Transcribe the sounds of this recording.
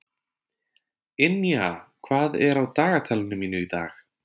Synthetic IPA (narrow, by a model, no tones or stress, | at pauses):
ɪnjaːkʰv̥aːðɛɾawt̪aːɣat̪ʰaːlɪnʏmiːnʏit̪a̰ːx